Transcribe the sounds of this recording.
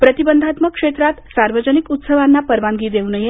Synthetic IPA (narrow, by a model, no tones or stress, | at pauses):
pɾət̪ibənd̪ʱat̪məkʂet̪ɾat̪saɾʋəd͡ʑənikut̪səʋanːapəɾʋaŋɡiːd̪ewnəje